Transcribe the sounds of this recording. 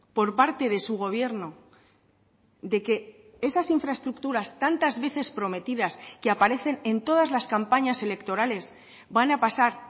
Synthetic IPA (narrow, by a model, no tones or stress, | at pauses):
po̞ɾpaɾt̪e̞ðe̞suɣ̞o̞β̞je̞ɾno̞ | d̪e̞ke̞ | e̞sasiɱfɾae̞st̪ɾukt̪uɾast̪ant̪azβe̞θe̞spɾo̞me̞t̪iðaskeapaɾe̞θe̞ne̞nt̪o̞ð̞azlaskampaɲase̞le̞kt̪o̞ɾale̞s | banapasaɾ